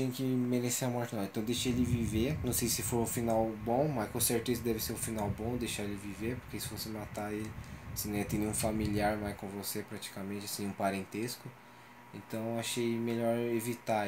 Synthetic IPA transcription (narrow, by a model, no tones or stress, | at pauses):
ẽkɪmeɾeseɐmɔɾt͡ʃɪnɐ̃w̃ẽt̪ɐ̃w̃d̪ejʃelɪviveɾnɐ̃w̃sejsɪfoɾʊfinawbõmɐskõseɾt̪ezɐd̪ɛvɪseɾʊfinawbõd̪ejʃaelɪviveɾpoɾkesɪ̥fosemat̪aelɪsɪ̃nẽɛt̪ẽnẽũfamiliaɾmajskõvosepɾat͡ʃi̥kamẽnt͡ʃɪasĩũpaɾẽnt̪eskʊ | ẽnt̪ɐ̃w̃aʃejmeʎɔɾevit̪a